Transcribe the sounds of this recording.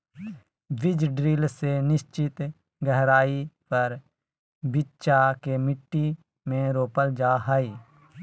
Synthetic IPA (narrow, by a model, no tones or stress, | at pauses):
ʋɪd͡ʒɖɾiːlsenɪst͡ʃɪt̪ | ɡɛɦɾaːipɐɾ | bɪtːt͡ʃakemɪʈːi | mẽɾoːpəld͡ʒaːɦaːiː